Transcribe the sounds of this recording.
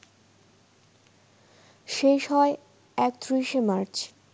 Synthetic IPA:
ʃeʃɦɔe | ɛk̚t̪ɾiʃemaɾt͡ɕ

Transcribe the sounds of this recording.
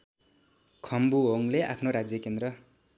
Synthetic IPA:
kʰʌmbuɦoŋleapʰnoɾad͡zjʌkend̪rʌ

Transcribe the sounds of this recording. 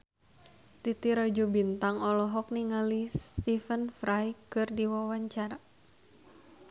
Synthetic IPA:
t̪it̪iɾad͡ʒubint̪aŋɔlɔɦɔk̚niŋalist̪ifənfɾajkɨrdiwawaɲt͡ʃaɾa

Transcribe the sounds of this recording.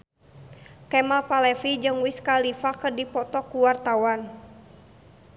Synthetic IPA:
kɛmalpalɛfid͡ʒɨŋwiskalifakərdipɔt̪ɔkuwart̪awan

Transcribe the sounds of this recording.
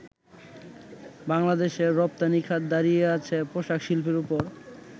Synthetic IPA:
baŋlad̪eʃeɾːɔp̚t̪anikʰad̪d̪aɾijeat͡ɕʰepɾoʃakʃilpʰeɾupoɾ

